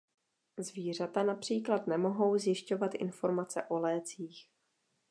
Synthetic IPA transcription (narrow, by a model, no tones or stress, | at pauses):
zviːr̝at̪anapr̝̥iːklat̪nɛmo̞ɦo̞wzjɪʃco̞vat̪ʔɪ̰nfo̞ɾmat͡sɛ̰ʔo̞lɛːt͡siːx